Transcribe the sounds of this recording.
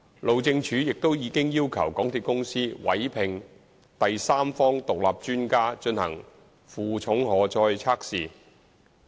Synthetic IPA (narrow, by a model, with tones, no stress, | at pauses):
lo˨wt͡sɪ˧ŋt͡ʃʰyː˨˥jɪ˨k̚t̪o˥wjiː˨˧˥kɪ˥ŋjiː˥wkʰɐ̰˨˩wkɔː˨˥ŋt̪ʰiː˨˧t̚kʊ˥ŋsiː˥wɐ̰˨˥jpʰɪ˨ŋ | t̪ɐ˨jsaː˥mfɔː˥ŋt̪ʊ˨k̚laː˨˩p̚t͡ʃyː˥nkaː˥t͡ʃɵ˧nhɐ̰˨˩ŋ | fuː˨t͡sʰʊ˨˥ŋhɔː˨˩t͡sɔː˧jt͡sʰaː˥k̚siː˨˩